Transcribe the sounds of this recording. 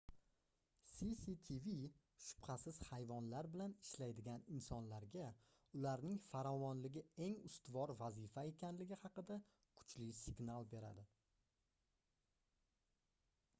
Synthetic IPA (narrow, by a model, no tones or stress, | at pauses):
sisit̪ʰivi | ʃʊ̥pχasɪz̥hajvɒnlaɾbɪlanɪʃlajd̪ɪɡʲanɪnsɒnlaɾɡʲa | ʊlaɾnɪŋfaɾɒvɒnlɪɡʲɪe̞ŋʊst̪vɒɾvazɪfae̞kʲʰanlɪɡʲɪhɑqɨd̪a | kʰʊ̥t͡ʃʰlɪsɪɡnalˠbe̞ɾa̰d̪ɪ